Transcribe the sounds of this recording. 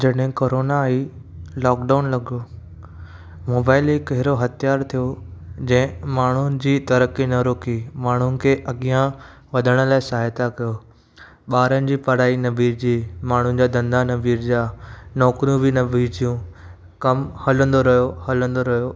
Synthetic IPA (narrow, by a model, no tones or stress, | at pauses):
d͡ʑɐɗɦɪ̃koːɾoːnai | lɔːkɖaːʊnlɐɠo | moːbaːɪlɦɪkɐɦɪɾoɦɐt̪ʰjaːɾt̪ʰijod͡ʑɐ̃ɦɪ̃maːɳ̤ʊnɪ̆d͡ʑiːt̪ɐɾəkinɐɾoːkimaːɳ̤ʊnɪ̆kʰeːʔɐɠijã | ʋɐd̪ʱəɽ̃ə̆laːɪsɐɦaːjt̪akɐjo | ɓaːɾənɪ̆d͡ʑiːpɐɽ̤aːinɐbiːɾd͡ʑiːmaːɳ̤ʊnɪ̆d͡ʑaːd̪ɐ̃nd̪anɐbiːɾd͡ʑaːnɔːkɾjũbɪnɐbʱiːɾd͡ʑijũ | kɐmhɐlə̃nd̪oɾɐɦjohɐlə̃nd̪oɾɐɦjoː